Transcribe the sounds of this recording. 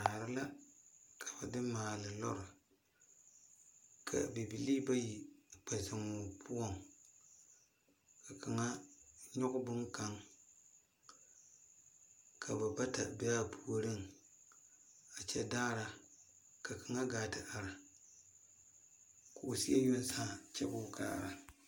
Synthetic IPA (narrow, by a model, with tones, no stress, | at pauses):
aː˨ɾɨ˦la˦kʰḁ˨ba˨dɨ˦mːaː˨lɨ˨lɔ̰˦ɾɨ˨ | kʰa̰˨bi˨bi˨li˦ba˦ji˨k͡pa˨za˨ŋʊ˨pʰu˦ɔ˦˨ŋ | ka˨ka˨ŋa˦ɲɔ˦ɣʊ˦bʊ˦ŋka˨ŋ | kʰa˨ba˨ba˦ta˨bɛ˦a˦pʰu˦o˦ɾɨ˦ŋ | a˨t͡ʃɛ˦daː˦ɾa˦ | ka˨ka˨ŋa˦ɡaː˨tɨ˨ʔa˨ɾa˨ | ko˨ʔsi˦ɛ˦jo˦n˦saː˦˨t͡ʃɛ̰˦bʊ˦kʰa̰ː˦˨ɾa̰˨